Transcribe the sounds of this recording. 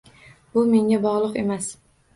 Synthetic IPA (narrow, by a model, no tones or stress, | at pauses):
bʊme̞ŋʲabɒʁlˠʊqe̞mas